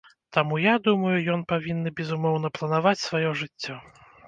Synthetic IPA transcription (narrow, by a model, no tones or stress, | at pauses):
t̪amujad̪umɐjujɔnpavʲinːɨbʲɛzumɔwnɐplˠɐnavat͡sʲsvajɔʐɨt͡sʲːɔ